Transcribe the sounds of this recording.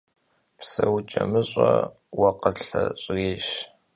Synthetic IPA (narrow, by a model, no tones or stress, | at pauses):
psɐwt͡ʃʼɐmɨɕʼɐ | wɐqəɬɐɕʼreːʃ